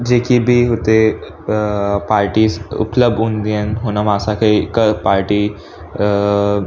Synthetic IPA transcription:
d͡ʒeːkibʱiɦot̪e | paːɾʈisʊ̰pləb̚d̪ũnd̪iənɦonamaːsakʰekəpaːɾʈi

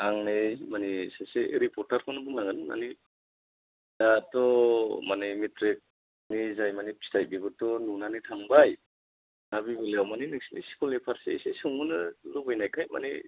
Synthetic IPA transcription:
aŋnemanisaseɾipɔɾtaɾkʰɔnabumaŋɯnɯna̰ni | datɔmanimitɾek̚ | nizajmanistajbibɯtɔnunanitʰaŋbaj | nabibɯleawmaninɯk̚sinḭsi̥kulepʰaɾsḛsesuŋɯnɯlubɯjnajkʰajma̰nḭ

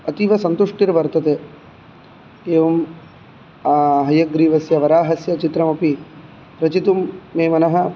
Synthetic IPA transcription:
ɐt̪iʋɐsɐnt̪uʂʈiɾʋɐɾt̪ɐt̪eː | eːʋɐm | aːɦɐjɐɡɾiːʋɐsjɐʋɐɾaːɦɐsjɐt͡ʃit̪ɾɐmɐpi | ɾɐt͡ʃit̪umːeːmɐnɐɦɐ̆

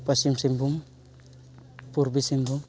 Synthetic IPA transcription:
pasimsimbuŋ | puɾbisimbuŋ

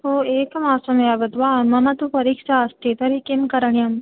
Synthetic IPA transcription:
ɦoːeːkɐmaːsɐmjaʋɐt̪ʋaːmɐmɐt̪upɐɾiːkʃaːst̪ʰit̪ɐɾikimkɐɾɐɳjɐm

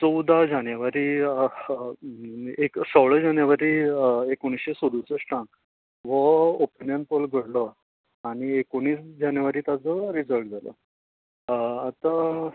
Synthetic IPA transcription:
t͡sɔwd̪ʱad͡ʑanjəʋaɾiː | eksəʋɭəd͡ʑanjəʋaɾiːekoɽ̃isɕesod̪usəsʈãk | ʋəopinjənpəlɡʱəɽlə | aɽ̃iekoɽ̃iːsd͡ʑanjəʋaɾiːt̪at͡səɾid͡zəlʈd͡zalə̰ | at̪a

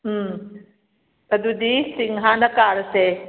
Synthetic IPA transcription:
t̪ɐd̪ud̪isiŋɦãːnɐkaːɾse

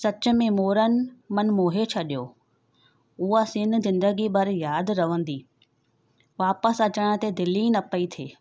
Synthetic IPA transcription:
sɐt͡ɕʊ̆mẽmoːɾənɪ̆mɐnmoːɦet͡ɕʰɐɗijoː | ʊɦasɪnzɪ̃nd̪əɡibɐɾjaːd̪ɾɐʋə̃n̆d̪iː | ʋaːpəsɐt͡ɕəɽ̃ə̆t̪ed̪ɪlĩnɐpəit̪ʰeː

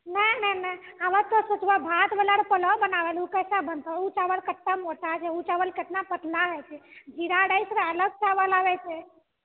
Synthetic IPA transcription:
nənənəaʋət̪t̪ɔsot͡ʃbəbʱat̪bəlaɾpələbənaʋɛlukəjsabənt̪ɔut͡ʃaʋəlkeʈ̪ːamoʈat͡ʃʰɛut͡ʃaʋəlket̪napət̪laɦɛt͡ʃʰɛd͡ʒiɾaɽəjsɾeələɡ̚t͡ʃaʋəlaʋɛt͡ʃʰɛ

